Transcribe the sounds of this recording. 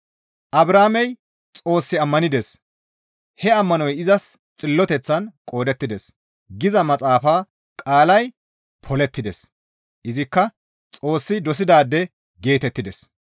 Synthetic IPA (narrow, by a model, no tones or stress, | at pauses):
ʔɐbɾaːmɛj | t͡sʼo̞ːsːɪɐmːɐnɪd̪es | hɛɐmːɐnɔjɪzɐs | t͡sʼɪlːɔt̪ɛt͡sːɐnkʼo̞ːd̪ɛt̪ːɪd̪ɛs | ɡɪzɐmɐt͡sʼaːfaː | kʼaːlɐj | pʰɔlɛt̪ːɪd̪ɛs | ʔɪzɪkːɐ | t͡sʼo̞ːsːɪd̪ɔs̬ɪd̪aːd̪ːɛ | ɡe̞ːt̪ɛt̪ːɪd̪ɛs